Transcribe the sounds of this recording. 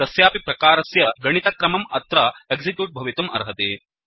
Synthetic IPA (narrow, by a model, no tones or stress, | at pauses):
ɐsjaːpipɾɐkaːɾɐsjɐɡɐɳ̃it̪ɐkɾɐmɐmɐt̪ɾɐeɡzikjuːʈ̚bʱɐʋit̪umʔɐ̰ɾɦɐt̪eː